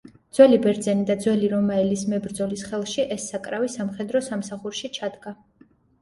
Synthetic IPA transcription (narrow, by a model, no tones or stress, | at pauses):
d̪z̥wɛlibɛɾd̪zɛnid̪ad̪zwɛliɾɔmaɛlismɛbɾd̪zɔlisχɛlˠʃiʔɛsːakʼɾavisamχɛd̪ɾɔsamsaχuɾʃit͡ʃʰad̪ɡa